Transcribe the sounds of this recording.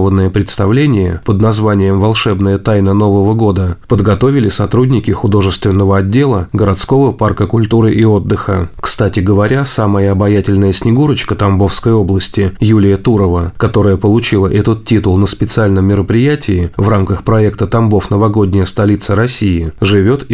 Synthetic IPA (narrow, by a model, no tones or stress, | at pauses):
vənːəjəpɾʲɪt̪st̪ɐvlʲenʲɪjəpəd̪nɐzvanʲɪjəmvɐlˠʂɛbnəjət̪ajnəno̞vəvəɡo̞d̪əpəd̪ɡɐt̪o̞vʲɪlʲɪsɐt̪ɾudʲnʲɪkʲɪxʊd̪o̞ʐɨst̪vʲɪnːəvəɐdʲːe̞lˠəɡəɾɐt̪sko̞vəparkəkʊlʲt̪uɾɨʔɪo̞d̪ːɨxə̰kst̪atʲɪɡəvɐɾʲasaməjəɐbɐjatʲɪlʲnəjəsʲnʲɪɡuɾət͡ɕkət̪ɐmbo̞fskəjo̞blˠəsʲtʲɪjulʲɪjət̪uɾəvəkɐt̪o̞ɾəjəpəlˠʊt͡ɕilˠəʔɛt̪ət̪̚tʲːit̪ʊlˠnəspʲɪt̪sɨalʲnəmːʲɪɾəpɾʲɪjætʲɪɪvramkəxpɾɐɛkt̪ət̪ɐmbo̞fnəvɐɡo̞dʲnʲɪjəst̪ɐlʲit̪səɾɐsʲijɪʐɨvʲo̞t̪